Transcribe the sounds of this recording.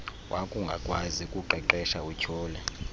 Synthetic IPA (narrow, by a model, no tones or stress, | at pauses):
wʔakʼuŋɡʱakʼwazikʼuǃɛǃɛʃaucʰɔːlɛ